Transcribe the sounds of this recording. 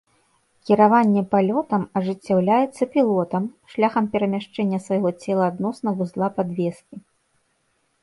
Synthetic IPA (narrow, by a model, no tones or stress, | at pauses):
kʲiɾavanʲːɛpalʲɔt̪ɐmɐʐɨt͡sʲːawlʲajɛt̪sːɐpʲilˠɔt̪ɐmʂlʲaxɐmpʲɛɾɐmʲaʂt͡ʂɛnʲːɐsvajɣɔt͡sʲɛlˠɐad̪nɔsnɐɣuzlˠapad̪vʲɛskʲi